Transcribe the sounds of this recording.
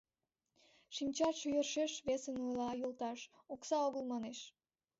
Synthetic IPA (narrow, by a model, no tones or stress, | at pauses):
ʃimʲt͡ɕɑʃyjərʃeʃβesənulɑjult̪ɑʃ | oksɑoɣəlˠmɑneʃ